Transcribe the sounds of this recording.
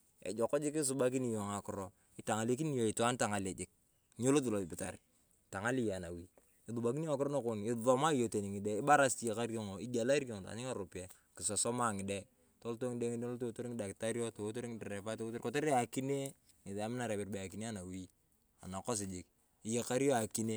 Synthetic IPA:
ḛ˨d͡ʒɔ˨kɔ˦d͡ʒɪ˦ki˦s̬u˦ba˦k̬i˦ni˨jɔ˨ŋa˨kʊ˨ɾɔ˦ | ɪ˨ta˨ŋa˨le˦k̬i˦ni˦jo˨ɪ˨twa˦nta˨ŋa˨le˨d͡ʒɪ˦k̚ | ɲo˦lo˦t̬ɪ˨lo˨ɪ˨pɪ˨ta̰˨ɾ | ta˨ŋa˦li˦ja˨na˨wi˦ | ɪ˨ðu˨ba˨k̬i˦ni˦ŋa˨kɪ˦ɾo˦na˦ko˦˨nɪ˨ðɔ˦ma˦i˦jo˨te˨ni˨ŋi˨de˦i˦ba˦ɾa˦sti˦je˨ka˦ɾke˦˨ŋo˨i˦ɡa˨la˦ɾke˨ŋo˨ta̰˨ɲi˦a˦˨ɾo˨pi˦a˨ | kɪ˨sɔ˨sɔ˦ma˦˨ŋɪ˨de˦ | to˦lto˦ŋɪ˦de˦ŋi˦do˦lto˦to˦ɾi˦ŋɪ˦da˨kɪ˨ta˦ɾi˦o˦to˨wo˦to˦ɾi˦ŋɪ˦dɛ˨ɾɛ˨pa˦to˦o˦to˦ɾkɔ˦te˦ɾe˦a˨ki˦ne˦ | ŋɪ˨ða˨mɪ˦na˨ɾɛ˨bɪ˨rbe˨a˨ki˨ne˦a˦na˨wi˦ | a̰˨na˨ko˦s̬ɪ˨d͡ʒɪ˨k̚ | i˨je˨ka˦ɾi˦o˦a˨ki˦ne˦

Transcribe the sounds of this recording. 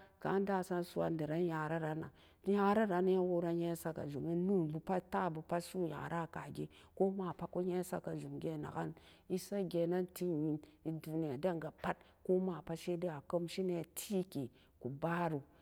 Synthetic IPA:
ka̰˨˦da˦˨sa˦n˦su˦a̰˨n˦di˨ɾa˦n˦ja˨ɾa˦ɾa˨na̰˨˦ | ja˦ɾa˦ɾa˨ni˦ja˦wo˦ɾa˦ɲe˦sa˦ka̰˨d͡ʒu˨mi˦nu˦˨bu˨pa˦ta˦˨bu˨pa˦su˦ja̰˨ɾa˦˨ka˨ɡḛ˦ | ko˦ma˨pa˦ku˦ɲe˦sa̰˦ka˨zu˨mɡʲe˦˨na̰˨ɡa̰˦n | i˦sa˦ɡʲe˨na˦nti˦ɲi˨ni˨du˨ni˨ja˨da˦˨ŋɡa˨pa˦t̚ | ko˦ma˨pa˦ʃe˦di˦a˨ko˦mʃi˦ne˨tʰi˦ki˨ | ku˨ba˦ɾu˨

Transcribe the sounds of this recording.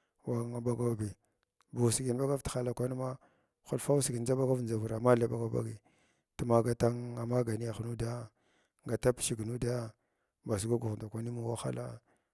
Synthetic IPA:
wa˨ŋa˨ba˦ɡa˦˨bi˨ | bu˨si˨i˨n˨ba˦ɡa˦vti̥˨xa˦la˨kʷa˦ni˦ma˦ | xu˦lfa˦u˦si˨ɡi˨n˦d͡ʒa˦ba˦ɡa˦vn˨d͡ʒa˨vu˨ɾa˨ma˦la˨ba˨ɡa˨ba̰˦ɡi˨ | tu˦ma˨ɡa˦ta˦ŋa˨ma˦ɡa˨ni˦ja˨xnu˦da˦ | ŋɡa˨ta˦pʃi˨ɡnu˦da˦ | ba˨s̬i˨ɡa˦ɡu˨ɣnda˨kʷa˦ni˦mu˨wa˦xa̰˦la̰˦

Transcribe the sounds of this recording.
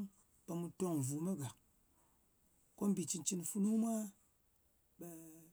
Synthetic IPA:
pa˧mu˧to˦ŋ˨vu˨me˦ɡa˨ | ko˦m˦bi˨t͡ʃi˧nt͡ʃi˦nfu˦nu˦mʷa˦ | ɓe˧

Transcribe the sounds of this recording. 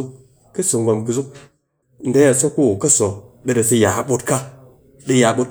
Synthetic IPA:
u˦k | ki˦si˨ŋɡʷa˨mki˧zu˦k̚ | n̩˦de˦ja˨sa˦ku˦˨kɐ˦sɔ˨ɓe˦de˨si˦˧ja˨ɓo˦tka˦ | ɗi˦ja˨ɓo˦t̚

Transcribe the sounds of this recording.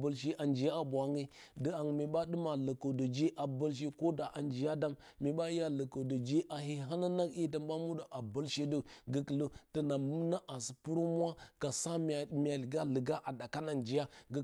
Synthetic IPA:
bə˨lʃi˦ʔa˨nd͡ʒi˨ja˦a˨bʷa˨˦ŋe˦ | də˨˦a˨ŋ˨me˨ɓa˦ɗɨ˦ma˨lə˨ko˨do˨d͡ʒe˦ʔa˨bə˦lʃ̬e˦ko˦da˨ʔa˨nd͡ʒi˨ja˦da˦mːe˨ɓa˦ja˦lə˨ko˨do˨d͡ʒe˦ʔa˨ɦi˦ɦa˦na˦na˦ki˦ta˨mba˦mu˦da˨ʔa˨bə˦lʃe˦do˦ɡə˦klo˦tə˨na˨mu˦na˦ʔa˨si˨pu˦ɾo˦mʷ˦a˦ka˨sa˦m˨mʲ˨a˨lɡa˦lə˨ɡa˦ʔa˨da˨ka˦na˨nd͡ʒi˨ja˦ɡə˦

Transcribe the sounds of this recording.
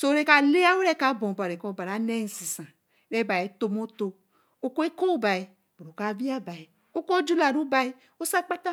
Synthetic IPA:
so˦ɾe˦ka˨le˦a˦wu˦ɾɛ˦ka˨˦bɔ̃˨ba˨ɾe˨kɔ˦˨ba˨ɾa˨˦nɛ˦n̩˨˦si˨sã˨ | ɾɛ˦ba˨e˨to˦mo˦to˧ | o˦ko˦e˦ko˦ba˨i˨ | bu˨ɾo˨ka˦˨vi˦a˦ba˨i˨ | o˦ko˦d͡ʒu˦la˨nũ˦ba˨i˦ | o˦sa˦k͡pa˦ta˦

